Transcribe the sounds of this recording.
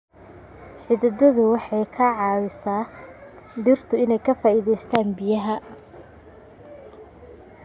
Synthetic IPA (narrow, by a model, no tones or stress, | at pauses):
ħɪðɪd̪ɐðʊwɑħɑjkʰɐʕɑːwɪsaː | d̪ɪrt̪ʰʊɪnɛjkʰɐfaːiðɛjst̪ʰaːnbɪjɐɦɐ